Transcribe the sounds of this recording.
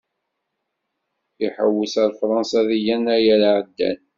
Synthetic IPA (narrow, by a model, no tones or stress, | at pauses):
iħəwːəsəɾfɾˤɑnsɑðijænæjælʕəd̪ːæ̰n